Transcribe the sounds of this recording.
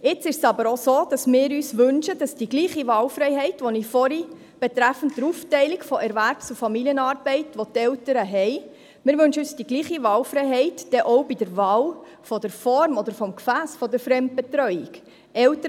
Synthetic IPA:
ɪt͡sɪʃsɑbəɾosoːd̥ɑsmɪːɾyːsʋɵnʃəd̥ɑsd̥iɡliːχiʋɑːwfɾɛɪɦɛɪtʋɔnifɔɾi | b̥ɛtɾæfən̩t̚d̥əɾuːftɛɪliɡfɔʔɛɾʋæɾpt͡sufɑmiliənɑːɾbɛɪtʋot̪ɛltəɾəɦɛɪ | mɪːɾʋɵnʃəyːsd̥iɡliːχiʋɑːwfɾɛɪɦɛɪtd̥ɛʔɔʊbidəɾʋɑːl | fɔd̥əɾfɔɾmɔd̪əɾfɔmkfæːsfɔd̪əɾfɾɛmt̚b̥ɛtɾœʏik | ɛltəɾ

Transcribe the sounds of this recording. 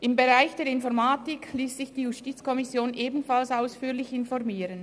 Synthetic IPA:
ʔɪmbeʁaɪçd̥eːɐɾɪnfɔʁmaːtɪkʰliːsz̥ɪçd̥iːjustiːt͡skʰɔmɪsjoːnʔeːbn̩falsaʊsfyːlɪçɪnfɔʁmiːɾən

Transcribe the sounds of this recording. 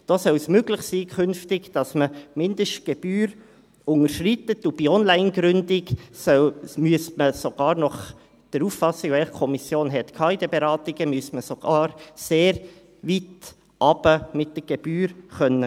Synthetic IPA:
d̥oːsœlsmøɡlɪχsiːkʰʏnftɪɡd̥ɑsməmɪndəʃt̚ɡ̥ɛb̥yːɾ | ʊŋəɾʃritətub̥iɔnlæɪnɡɾʏndɪɡsœmyəstməsoɡ̥ɑːɾnɔχ | d̥əɾuːffɑsɪɡvɛlχkʰɔmisjoːnɦɛt̪kʰɑːɪdɛbeɾɑːtɪɡ̥əmyəstməsoɡ̥ɑːɾseːɾ | vit | ʔɑbəmɪt̚d̥əɡ̥eb̥yːɾχœnːə

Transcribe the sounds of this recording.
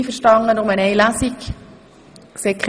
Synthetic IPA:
fəɾʃtɑŋənʊməneɪlasik | ksekχ

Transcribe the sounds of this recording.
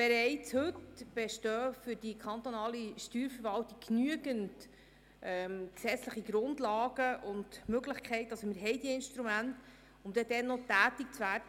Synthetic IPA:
b̥ɛɾɛɪt͡shɵtb̥ɛʃtœːfʏɾd̥ikʰχɑnt̪ɔnɑːliʃtyːɾfəɾvɑltikkːnyəɡənt | ʔɛmksɛt͡sləχiɡɾʊndlɑːɡ̥əʔʊndmøɡləχkʰχɛɪtɑlsɔmɪɾɦɛjd̥iəɪnʃtɾumænt | ʊmd̥̪ɛdɛnːɔtæːtik̚t͡svæːdə

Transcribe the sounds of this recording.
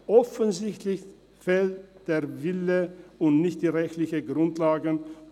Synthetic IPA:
ʔɔfənzɪçtlɪç | fɛltd̥eːɐvɪləʊntnɪçtd̥iːʁɛçtlɪçəɡʁʊntlaːɡə

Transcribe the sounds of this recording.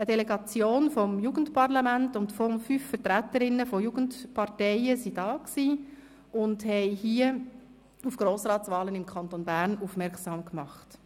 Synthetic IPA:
ədɛlɛɡɑt͡sjoːnfɔmjuːɡ̥ən̩tpɑʁlɑmæntʊntfɔfyffəɾtɾætəɾɪnːəfɔjuːɡ̥əntpɑɾtɛɪəsidɑːksiː | ʔʊndhɛɪhiə | ufɡ̥ɾoːsɾɑːtt͡sʋɑːlənɪmkʰɑntonbæɾnufmɛɾksɑːmkmɑχt

